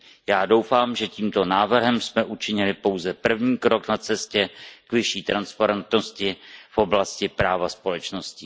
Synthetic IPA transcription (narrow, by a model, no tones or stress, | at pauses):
jaːdo̞wfaːmʒɛciːmt̪o̞naːvr̩ɦɛmsmɛʔut͡ʃɪɲɪlɪpo̞wzɛpr̩vɲiːkɾo̞knat͡sɛscɛkvɪʃiːt̪ɾanspaɾɛnt̪noscɪfʔoblascɪpɾaːvaspo̞lɛt͡ʃno̞scɪ